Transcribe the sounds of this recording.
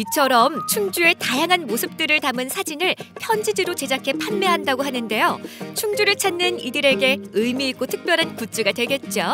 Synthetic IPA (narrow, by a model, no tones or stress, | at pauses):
it͡ɕʰʌɾʌmt͡ɕʰuŋd͡ʑue̞tajaŋɦanmosʰɯp̚t͈ɯɾɯɭtamɯnsʰad͡ʑinɯɭpʰjʌnd͡ʑid͡ʑiɾot͡ɕe̞d͡ʑakʰe̞pʰanme̞ɦandaɡoɦanɯnde̞jot͡ɕʰuŋd͡ʑuɾɯɭt͡ɕʰanːɯnidɯɾe̞ɡe̞ɯjmiːk͈ʰotʰɯk̚p͈jʌɾɦankut͡ɕ͈ɯɡadwe̞ɭɡe̞t̚t͡ɕ͈o